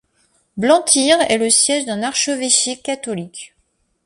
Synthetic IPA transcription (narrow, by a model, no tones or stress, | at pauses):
blɑ̃t̪ʰiʁɛ̰ləsjɛʒd̪ɛ̃naʁʃəveʃikːat̪ɔlik